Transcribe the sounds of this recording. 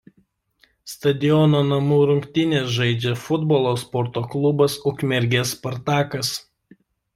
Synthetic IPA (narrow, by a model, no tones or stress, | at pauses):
st̪ɐd̪ʲɪjɔnoːnɐmuːɾʊŋʲkt̪ʲɪnʲeːsʒɐɪd͡ʒʲɛfʊd̪bɔːlˠoːspɔɾt̪oːklˠʊbɐsʊkʲmʲɛɾʲɡʲeːspɐɾt̪ɑːkɐs